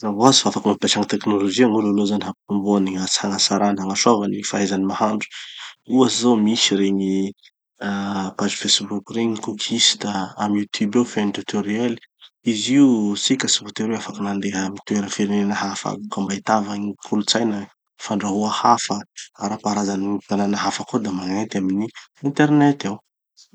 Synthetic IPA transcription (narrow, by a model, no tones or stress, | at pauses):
zavoazfaafakumampaʈ͡ʂaŋit̪eknolod͡ʒiaŋulalozaniɦapumbuaniat͡shaŋasaɾanaŋaʃavanifaɦezanimahaɳɖ͡ʐu̥uasizawmiʃiɾeɲi | apazifesbukʲuɾeɲikukʰisi̥t̪aamjut̪ʰubewfent̪ut̪ʰoɾieli̥iziusikʲəsivot̪eɾeafakananleɦəmit̪ueɾəfiɾenenəɦafa̰ukambait̪avaɲikʰulut͡sajnə | faɳɖ͡ʐaɦuahafəaɾapaɾazanit̪ananaɦafakod̪amaŋant̪iaminiint̪eɾnet̪aw